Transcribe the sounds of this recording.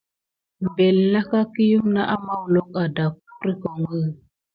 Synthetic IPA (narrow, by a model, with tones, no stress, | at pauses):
m̩˨be˨lna˦ka˦ki˦ju˦mna˦ʔa˦ma˦wlo˦ka˨da˨k̚u˦ɾi˦ko˨ŋɡə˦˨